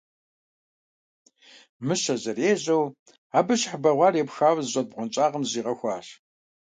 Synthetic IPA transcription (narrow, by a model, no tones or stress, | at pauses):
mɨɕɐzɐreːʑɐw | aːbɨɕħbɐʁʷɑːrepxaːwzɕʷʼɐd̚ʁʷʊnt͡ʃʼaːʁəmziːʁɐxʷɑ̰ːɕ